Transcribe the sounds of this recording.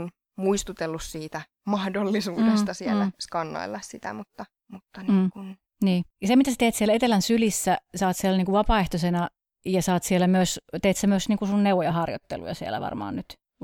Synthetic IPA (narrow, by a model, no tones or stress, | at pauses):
n | muist̪ut̪elːussiːt̪æ | mɑhdolːisuːdest̪ɑsielːæskɑnːɑ̰ilːɑssit̪æ̰mut̪ːɑ | mut̪ːɑnmiːŋkun | niːjɑsemit̪æse̥t̪eːt̪sielæet̪elænsylisːæsɑːt̪sielæniːŋkuʋʋɑpɑːeht̪osenɑ | jɑsɑːt̪sielæmyøst̪eːt̪semyøsniːŋkusunnewʋojɑhɑrjo̰t̪ːḛlṵjɑ̰siḛlæ̰ʋɑ̰rmɑ̰ːnnyt̪